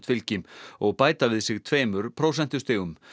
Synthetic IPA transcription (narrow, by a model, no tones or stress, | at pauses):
t̪fɪlcɪmɔɣpaːjt̪avɪðsɪɣt̪ʰveːjmʏɾpʰɾoːwsɛnt̪ʏ̥st̪ɪːɣʏm